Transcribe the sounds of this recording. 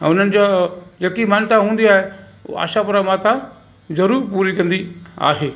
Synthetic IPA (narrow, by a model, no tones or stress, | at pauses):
ʊn̤ənɪ̆d͡ʑad͡ʑeːkimaːnt̪aɦũːn̆d̪iaːɦe | a̰ːʃapʊɾamaːt̪ʰa | zɐɾuːɾpuːɾikɐ̃nd̪ia̰ːɦeː